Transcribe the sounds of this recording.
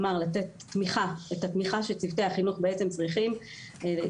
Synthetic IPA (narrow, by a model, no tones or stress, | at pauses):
maʁlatetː | miχaetatmiχaʃet͡sivteaχinuχbeet͡se̞mt͡sʁiχim